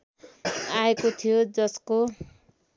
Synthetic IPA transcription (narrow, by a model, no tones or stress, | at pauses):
aekot̪ʰijod͡zʌsko